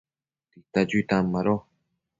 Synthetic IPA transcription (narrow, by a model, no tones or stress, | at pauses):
t̪it̪ad͡ʒuit̪amaɾo